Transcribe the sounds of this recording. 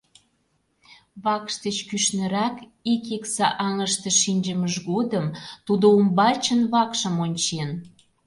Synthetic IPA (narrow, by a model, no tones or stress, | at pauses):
βɑkʃt̪ət͡ɕkyʃnə̆ɾɑk | ikiksɑʔɑŋəʃt̪ə̆ʃinʲd͡ʑəməʒɣod̪əmt̪ud̪oumbɑt͡ɕənβɑkʃə̆monʲt͡ɕen